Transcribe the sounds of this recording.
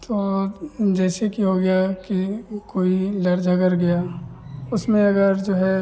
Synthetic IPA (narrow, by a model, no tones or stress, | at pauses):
t̪oːd͡ʒɛːsekiɦoɡɐjakikoːilɐɾd͡ʒʱəɡəɾɡɐjaːʊsmẽɐɡəɾd͡ʒoːɦɛ